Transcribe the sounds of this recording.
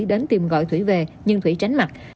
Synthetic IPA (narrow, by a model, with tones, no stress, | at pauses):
ɗe˨˦nt̪i˨˩mɣɔ̰˧˨jt̪ʰwi˧˩ve˨˩ɲɨ˧ŋt̪wi˧˩˦t͡ɕa˨˦jŋ̟ma˨˩k̚